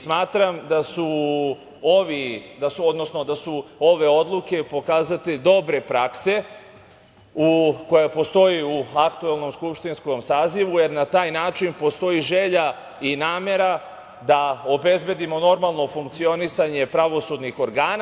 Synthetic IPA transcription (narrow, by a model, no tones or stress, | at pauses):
smaːt̪ɾamd̪asu | oʋid̪asuo̞d̪nosno̞d̪asuo̞ʋe̞o̞d̪lˠuke̞po̞kaːzat̪ed̪o̞bɾe̞pɾakse̞ | ukojepo̞st̪o̞jiuakt̪uelˠno̞mskupʃt̪insko̞msaːziʋuje̞ɾnat̪aːjnaːt͡ʃinpo̞st̪o̞jiʒe̞ʎa | inaːme̞ɾa | d̪ao̞be̞zbe̞d̪imo̞no̞ɾmalˠno̞fuŋkt̪sio̞nisaɲe̞pɾaʋo̞sud̪nixo̞ɾɡaːna